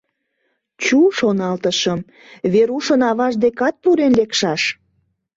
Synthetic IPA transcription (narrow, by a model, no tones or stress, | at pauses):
t͡ɕuʃonɑlt̪əʃəm | βeɾuʃənɑβɑʃd̪ekɑt̪̚puɾenlekʃɑʃ